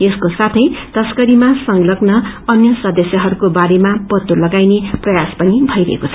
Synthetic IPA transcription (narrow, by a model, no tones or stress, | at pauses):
eskosat̪ʰʌjt̪ʌskʌɾimasʌŋɡlʌɡnʌʌnjʌsʌd̪ʌsjʌɦʌɾukobaɾemapʌt̪ːulʌɡajneprʌjaspʌnibʱʌjɾʌ̰ḛkot͡sʰʌ